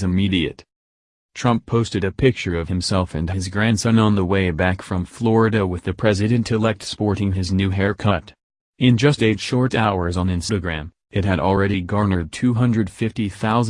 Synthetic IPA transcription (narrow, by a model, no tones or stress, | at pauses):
zɨmiɾiɨ̰t | tʰɹ̥ʌ̃mpʰoʊstɨɾɨpʰɪk̚t͡ʃə˞ʌv̥ɨ̃msɛlˠfɨ̰̃nɨzɡɹæ̃nsʌ̃nə̃nðəweɪbækfɹʌ̃ɱflɔɹɨɾɨwɨðɨpʰɹ̥ɛzɨɾɨ̃ntʰɨlɛk̚tspɔɹɾɪ̃ŋɨznʉɦɛɹkʰʌɾ | ɪ̃nd͡ʒʌsteɪtʃɔɹɾaʊə˞zn̩ɪ̃nsɾɨɡɹæ̃m | ɨt̚ɦɨɾl̩ˠɹɛɾiɡɑɹnə˞d̚tʰʉɦʌ̃ndɹɨd̥fɪftiθaʊz